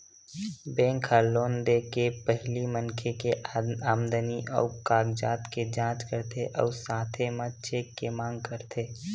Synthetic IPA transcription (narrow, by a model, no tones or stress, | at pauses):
bẽːŋkʰaloːnd̪ekepəɦlimənkʰekeaːmd̪əniʔɔ̰ːkaːɡd͡ʒaːt̪ked͡ʒãːt͡ʃkəɾt̪ʰeʔɔ̰ːsaːt̪ʰemə̃t͡ʃeːkːemãːŋɡ̚kəɾt̪ʰeː